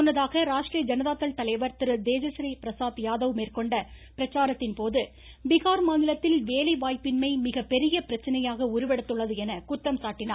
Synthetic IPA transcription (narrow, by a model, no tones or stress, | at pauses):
ɔnːɐðaːɣɐɾaːʂʈrijɐd͡ʒɐnɐðaːt̪ːɐlt̪ɐlɐɪʋɐɾt̪ɪɾɯd̪eːd͡ʒɐsɾipɪɾɐsaːt̪jaːðɐʋmeːrkɔɳɖɐpɪɾɐt͡ʃːaːɾɐt̪ːɪnpoːðɯ | bɪɣaːɾmaːnɪlɐt̪ːɪlʋeːlɐɪʋaːjpːɪnmɐɪmɪɣɐpːɛɾɪjɐpɪɾɐt͡ʃːɐnɐjaːɣɐʊɾɯʋɛɽɐt̪ːɯɭːɐðɯɛnɐkʊt̪ːɐmsaːʈːɪnaː